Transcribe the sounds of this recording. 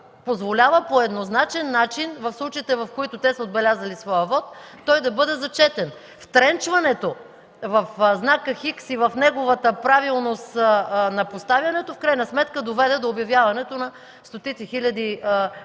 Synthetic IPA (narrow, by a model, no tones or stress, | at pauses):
pozvolʲavəpoɛd̪noznat͡ʃɛnːat͡ʃinvɐfslˠut͡ʃəit̪ɛvɐfkoit̪ʊt̪ɛsɐod̪bɛlʲazɐlisvɔjəvɔt̪ː | ɔjd̪ɐbɤd̪ɛzɐt͡ʃɛt̪ɛn | ft̪ɾɛnt͡ʃvɐnɛt̪o | vɐfznakəxiksivɐfnɛɡovət̪əpɾavilˠnost̪nɐpost̪avjɐnɛt̪ofkɾajnɐsmɛt̪kəd̪ovɛd̪ɛd̪oːbjɐvjavɐnɛt̪onɐ | st̪ot̪it̪sixilʲɐd̪i